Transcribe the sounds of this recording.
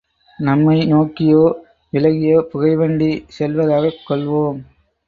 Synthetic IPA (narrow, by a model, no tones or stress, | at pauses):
nɐmːɐɪnoːkːɪjoː | ʋɪlɐɣɪjoːpʊɣɐɪʋɐɳɖisɛlʋɐðaːɣɐkːɔɭʋoːm